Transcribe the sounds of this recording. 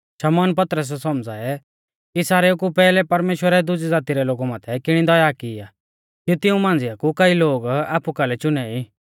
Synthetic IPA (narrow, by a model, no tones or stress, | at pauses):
ʃɐmɔːnpɐt̪ɾəs̬ɛsɔmd͡zaɛ | kisaːɾeukupɛːlɛpɐɾmeːʃwəɾɛd̪ʊd͡ʒid͡zaːt̪iɾɛloːɡumãːt̪ʰɛkɪɽ̃id̪ɔjaːkɪa | kut̪ɪũmãːnd͡zɪjakukɐiloːɡa̰ːpukalɛt͡ʃʊnɛi